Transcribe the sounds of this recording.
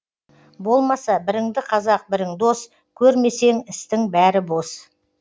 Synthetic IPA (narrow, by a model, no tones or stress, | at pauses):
bo̞lˠmɑsɑbɪɾɪŋd̪ɪqʰɑzɑq̚bɪɾɪŋd̪o̞s | kʲʰɵɾme̞se̞ŋɪst̪ɪŋbæɾɪbo̞s